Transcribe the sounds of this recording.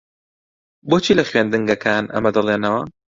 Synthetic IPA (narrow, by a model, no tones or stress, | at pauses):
bot͡ʃʰiːlɐxɥend̪ɨŋɡɐkʰaːnɐ̰mɐd̪ɐlˠeːnɐwɐ